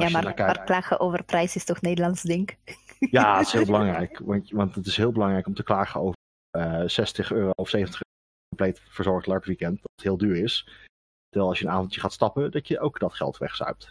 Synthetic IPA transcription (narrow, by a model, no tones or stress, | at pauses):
jamaaaklaːxəʔowvərprɛjsɪstɔxneːdəlɑnsdɪŋkjaːətɪ̥shɦɪlˠbəlɑŋrɛjkʋɑnʋɑntətɪsɦɪːlˠbəlɑŋrɛjkɔmtəklaːχəowvər | əsɛstəχøːrowɔfsejvəntəχøːo | kɔmplejtfəɹzɔɹχtlɑɹpʋikɛntdɑtətɦɪːlˠdyːɹɪs | təɹʋɛlˠɑsjənaːvɔntjəχaːtstɑpədɑtjəʔowkdɑtχɛ̰lˠtʋɛ̰χsœ̰ɥp̚t